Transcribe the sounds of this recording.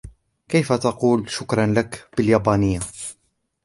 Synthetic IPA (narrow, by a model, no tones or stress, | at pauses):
kajfat̪ɑquːlʃʊkɾˤɑnlakb̥ɪljaːbaːnəjːa